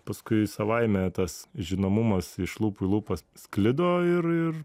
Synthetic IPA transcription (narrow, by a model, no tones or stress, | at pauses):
pɐskʊɪsɐʋɐɪmʲɛt̪ɐsʒʲɪnɐmʊmɐsɪʃlˠuːpʊɪlˠuːpɐssklʲɪd̪oːɪɾɪr